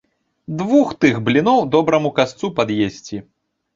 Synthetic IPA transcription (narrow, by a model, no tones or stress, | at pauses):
d̪vuxt̪ɨɣblʲinɔwd̪ɔbɾɐmukast̪supad̪jesʲt͡sʲi